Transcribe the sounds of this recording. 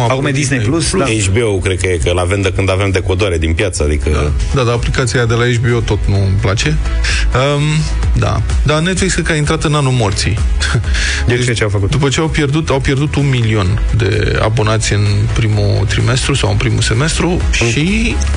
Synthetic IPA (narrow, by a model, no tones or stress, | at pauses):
aakumed̪isnelusaet͡ʃbeowkɾed̪̚kəjekəlave̞md̪ekɨnd̪ave̞md̪e̞kod̪oaɾe̞d̪inpjat̪səad̪ikəd̪ad̪aːplikat̪siad̪e̞laet͡ʃbeot̪o̞t̪nuɨmplat͡ʃe̞ | əm | d̪a̰d̪aneesəkaint̪ɾat̪ɨnanulmort̪sḭ | t͡ʃet͡ʃeafəkut̪d̪upət͡ʃe̞awpje̞rd̪ut̪awpje̞rd̪ut̪unmilio̞n | d̪e̞̰ | a̰bo̞nat̪sʲjɨn | pɾimṵ | t̪ɾime̞st̪ɾusawɨnpɾimuse̞me̞st̪ɾu | ʃi